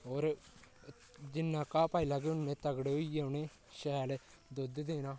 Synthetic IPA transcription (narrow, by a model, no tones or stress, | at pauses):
ɦoːɾ | d͡ʒɪnːãːkaːpaːilaːɡeʊnːẽːt̪əɡɽʊieʊnẽː | ʃɛːle | d̪od̪d̪eːnãː